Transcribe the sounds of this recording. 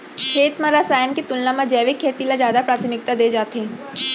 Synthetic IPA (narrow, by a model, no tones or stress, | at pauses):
kʰeːt̪mãɾasaːjənket̪ʊllãmãd͡ʒɛːʋɪkʰːeːt̪ilazjaːd̪apɾaːt̪ʰmɪk̚t̪ad̪eːd͡ʒaːt̪ẽ